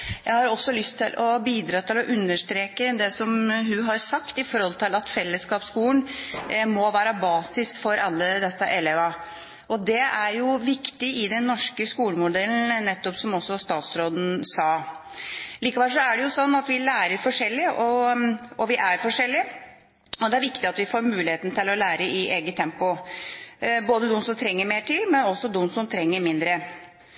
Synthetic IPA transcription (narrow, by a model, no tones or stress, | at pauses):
jæɪhɑɾɔsːɔlʏst̪ʰɪlʔɔbiːd̪ɾɑːt̪ʰɪlɔʔʉnːəʂt̪ɾeːkəd̪ɛsɔmɦʉɦɑɾsɑkt̪ɪfɔɾhɔlt̪ʰɪlɑt̪fɛlːəskɑːpskuːənmɔʋæːɾəbɑːsɪsfɔɾʔɑlːəd̪ɛsːəʔɛlɛʋɑ | ʔɔd̪ɛæɾjʊʋɪkt̪ɪɪd̪ɛnːɔʂkəskuːləmʊd̪ɛln̩nɛt̪ːɔpsɔmɔsːɔst̪ɑːt̪sɾoːd̪n̩sɑː | liːkɑʋɛlsʂɔæɖɛjʊsɔnːɑt̪ʋɪlæːɾəɾfɔʂɛlːɪəʔɔʔɔʋɪʔæɾfɔʂɛlːɪə | ɔd̪ɛæɾʋɪkt̪ɪɑt̪ʋɪfoːɾmʉːlɪheːt̪nət̪ɪlɔlæːɾəɪʔeːɡət̪ʰɛmpʊ | boːd̪əd̪ʊmsɔmt̪ʰɾɛŋːəɾmeːʈɪlmɛnɔsːɔd̪ʊmsɔmt̪ʰɾɛŋːəɾmɪnd̪ɾə